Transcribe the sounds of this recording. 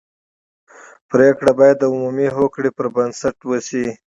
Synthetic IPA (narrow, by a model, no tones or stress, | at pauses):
pɾekɽabɑjad̪ːəʊmumiɦokɽipəɾbənsaʈwəsi